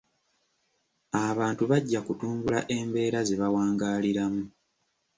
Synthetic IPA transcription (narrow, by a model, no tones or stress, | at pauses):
aβaːntuβaɟːakutuːmbula̰ʔe̞mbe̞ːɾazeβawaːŋɡaːliɾamu